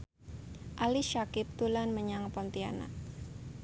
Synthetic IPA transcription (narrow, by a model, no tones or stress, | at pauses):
ʔaliʃakɪp̚t̪ulanməɲaŋpɔnt̪iana̰